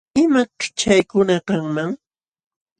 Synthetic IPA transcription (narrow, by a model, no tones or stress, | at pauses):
ɪmakt͡ʃajkʊnakaŋmaŋ